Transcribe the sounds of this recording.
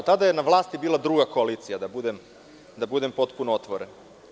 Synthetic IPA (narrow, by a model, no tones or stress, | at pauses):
t̪ad̪ajenaʋlˠaːst̪ibiːlˠad̪ɾuːɡakoaliːt̪sijad̪abud̪em | d̪abud̪e̞mpo̞t̪punoot̪ʋoɾen